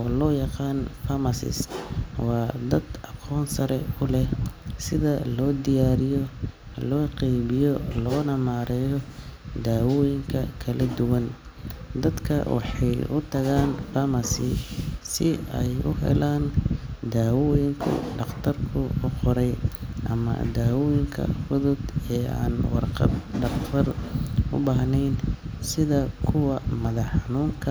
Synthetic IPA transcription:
ʔɔːlɔːjɑqɑːnfɐmɐsɪ̰swɑːd̪ɐd̪ɑqʰɔːnsɐɾɛʊlɛsɪðɐlɔːd̪ɪjaːɾɪjɔ | lɔːqɛjβɪjɔlɔːnɐmaːɾɛːjɔd̪aːwɔːjɪŋkʰɐ̰kʰɐlʔɐd̪ʊwɐn | d̪ɐd̪kʰɐ̰wɑ̰ħɑjʊt̪ʰɐɣaːnfɐmɐsɪsɪɛjʊɦɛ̰laːnd̪aːwɔːjɪŋkʰʊ̰ɖɑqt̪ʰɐrkʰʊʊqɔɾɛjʔɐmɐ̰d̪aːwɔːjɪŋkʰɐ̰fʊðʊd̪ɛːa̰ːnwɑ̰rqɑd̪ɖɑχt̪ʰɐrʊbaːɦnɛjnsɪðɐkʰʊwɐmɐðɐħɑnuːŋkʰɐ

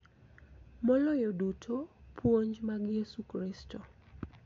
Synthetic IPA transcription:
mɔlɔjodutʰopʰwoɲd͡ʒmaɡjesukɾɪsto

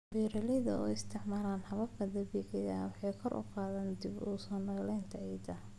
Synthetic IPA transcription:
biːɾɐlɛðɐɔ̰ːɪst̪ʰɪʕmaːlaːnhɐβɐb̚kʰɐd̪ɐbiʕɛjɐ̰wɑħɑjkʰɔɾʔʊ̰qaːðɐːnd̪ibuːsɔːnɔːlɛːnt̪ʰɐʕiːd̪ɐ

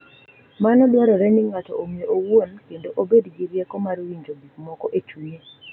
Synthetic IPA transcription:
manɔdwaɾɔɾɛniŋatɔʔomjeʔowonkendoʔobedɡiɾjɛkɔmaɾowiɲd͡ʒobikmɔkɔʔet͡ʃuje

